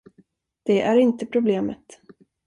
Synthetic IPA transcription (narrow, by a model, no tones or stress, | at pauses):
d̪̥ɛʔæɾɪnt̪əpʰɾʊbleːmət̪